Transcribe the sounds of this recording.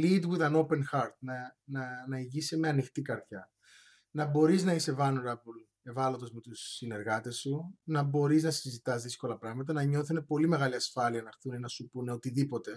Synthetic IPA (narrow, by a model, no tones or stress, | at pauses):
lid̪wuðɐno̞pe̞nxɐɾt̪̚nɐnɐnɐiʝisimeɐnixt̪ikɐɾtçɐ | nɐbo̞ɾiznɐise̞vɐnuɾɐbul | e̞vɐlot̪o̞zme̞t̪usːine̞ɾɣɐt̪e̞sunɐbo̞ɾiznɐsizit̪ɐzðisko̞lɐpɾɐɣmɐt̪̬ɐnɐɲo̞θunepo̞lime̞ɣɐliɐsfɐliɐnɐxθunenɐsupune̞ot̪iðipo̞t̪e̞